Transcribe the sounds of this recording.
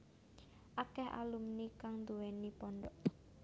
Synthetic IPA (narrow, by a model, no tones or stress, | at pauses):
ʔakɛha̰lumnikaŋnd̪uwenipɔɳɖɔʔ